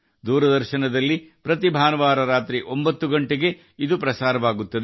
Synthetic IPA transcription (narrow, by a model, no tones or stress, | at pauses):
d̪uːɾɐd̪ɐɾʃɐnɐd̪ɐlːipɾɐt̪ibʱaːnɐʋaːɾɐɾaːt̪ɾiʔo̞mbɐt̪ːuɡɐɳʈeɡe̞ | id̪upɾɐsaːɾɐʋaːɡut̪ːɐd̪e